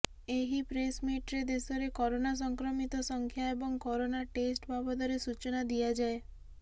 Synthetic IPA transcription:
eɦipɾesmiʈɾed̪esɔɾekɔɾonas̬ɔŋkɾɔmit̪ɔsɔŋkʰjaebɔŋkɔɾonaʈesʈbʱabɔd̪ɔɾesut͡ʃɔnad̪ijad͡ʒae

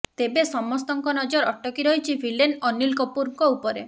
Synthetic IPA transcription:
t̪ebesɔmɔst̪ɔŋkɔnɔd͡ʒɔɾɔʈɔkiɾɔɦit͡ʃʰipʰilenɔnilkɔpuɾŋkɔupɔɾḛ

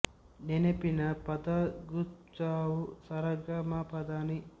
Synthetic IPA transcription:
nenepinɐpɐd̪ɐɡut͡ʃaːwusɐɾɐɡɐmapɐd̪aːni

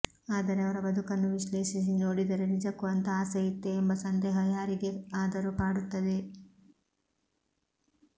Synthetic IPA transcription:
aːd̪ɐɾeɐʋɐɾɐbɐd̪ukɐnːuʋiʃleːʃis̬inoːɽid̪ɐɾenid͡ʒɐkːuɐnt̪ɐaːsɐjit̪ːeːmbɐsɐnd̪ɛːɦɐjaːɾiɡe̞aːd̪ɐɾupaːɽut̪ːɐd̪e̞

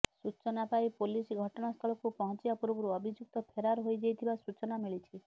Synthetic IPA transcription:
sut͡ʃɔnapajpolisɡʱɔʈɔnast̪ʰɔɭɔkupɔɦɔ̃t͡ʃibapuɾbɔɾuɔbʱid͡ʒuk̚t̪ɔpʰeɾaɾɔɦojd͡ʒejt̪ʰibasut͡ʃɔnamiɭit͡ʃʰi

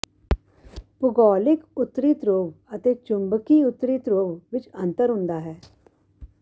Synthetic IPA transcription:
pʊɡɔːlɪkʊt̪ːɾiːt̪ɾoːʋət̪eːt͡ʃʊ̃mbkiːʊt̪ːɾiːt̪ɾoːʋʋɪt͡ʃə̃nt̪əɾɦʊ̃nd̪aːɦɛː

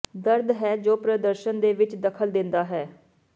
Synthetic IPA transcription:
d̪əɾd̪ɦɛːd͡ʒoːpɾəd̪əɾʃənd̪eːʋɪt͡ʃd̪əkʰəld̪ɪnd̪aːɦɛː

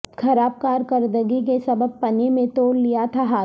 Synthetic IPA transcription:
kʰɐɾaːb̚kaːɾkəɾd̪əɡik̬esɐbəb̚pɐnemẽt̪oːllijat̪ʰaɦaː

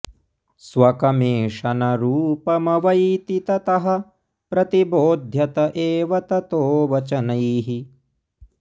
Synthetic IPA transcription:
sʋɐkɐmeːʂɐnɐɾuːpɐmɐʋɐjt̪it̪ɐt̪ɐɦɐ̆ | pɾɐt̪iboːd̪ʱjɐt̪ɐʔeːʋɐt̪ɐt̪oːʋɐt͡ʃɐnɐjɦi

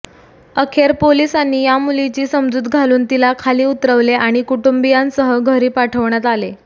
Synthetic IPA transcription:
əkʰeɾpolisanːiːjamulit͡ɕiːsəmd͡zuːd̪ɡʱaluːnt̪ilakʰaliːut̪ɾəʋleʔaɽ̃ikuʈumbijãnsəɦəɡʱəɾiːpaʈʰəʋɳjat̪ale

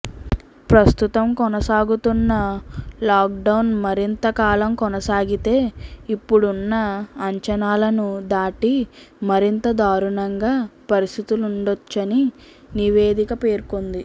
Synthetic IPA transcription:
pɾɐst̪ut̪ɐmkɔnɐsaːɡut̪unːɐlaːk̚ɖɐwnmɐɾint̪ɐkaːlɐmkɔnɐsaːɡit̪e̞ːipːuɽunːɐːɲt͡ʃɐnaːlɐnud̪aːʈi | mɐɾint̪ɐd̪aːɾuɳɐŋɡaːpɐɾist̪it̪uluɳɖot͡ʃːɐni | niʋe̞ːd̪ikɐpe̞ːɾkond̪i

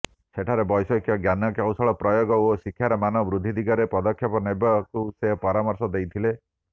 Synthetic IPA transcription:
seʈʰaɾebɔjsɔkʰjɔɡjanɔkjawsɔɭɔpɾɔjoɡɔosikʰjaɾɔmanɔbɾud̪ʱːid̪iɡɔɾepɔd̪ɔkʰːjɔpɔnebɔkusepɔɾamɔɾsɔd̪ejt̪ʰile

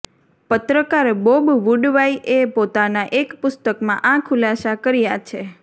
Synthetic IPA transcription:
pət̪ɾəkaɾbobʋuɖʋaiʔepot̪anaʔekpʊst̪əkmãʔãkʰʊlasakəɾijat͡ʃʰe

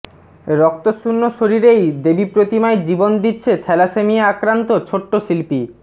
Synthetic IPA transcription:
ɾɔk̚t̪oʃunːoʃoɾiɾejd̪ebipɾot̪imaed͡ʑibond̪itːɕʰet̪ʰɛlasemiaakɾant̪ot͡ɕʰoʈːoʃilpi

